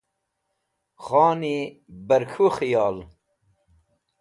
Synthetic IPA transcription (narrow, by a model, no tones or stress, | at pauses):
χɑːni | bɐɾkʰuxijɑːl